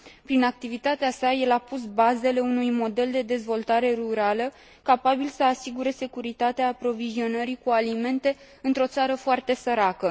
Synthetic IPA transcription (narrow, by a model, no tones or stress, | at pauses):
pɾinak̚t̪ivit̪at̪easaje̞lapus̬baze̞le̞unujmo̞d̪e̞ld̪e̞d̪e̞zvo̞lt̪aɾe̞ruɾalə | kapabilsəasiɡuɾe̞se̞kuɾit̪at̪eaːpɾo̞vizio̞nəɾikualime̞nt̪e̞ | ɨnt̪ɾo̞t̪saɾəfoart̪e̞səɾakə